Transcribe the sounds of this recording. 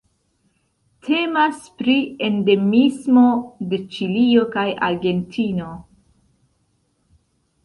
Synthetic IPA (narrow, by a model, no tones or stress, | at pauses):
tʰe̞maspɾiende̞mismo̞de̞t͡ʃilio̞kaja̰ɾɡe̞ntʰino̞